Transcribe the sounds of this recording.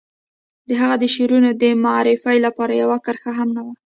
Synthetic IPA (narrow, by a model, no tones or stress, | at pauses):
d̪əɦaɣad̪əʃeɾunod̪əmaɾɪfajlapɑɾajawakəɾxaɦamnawa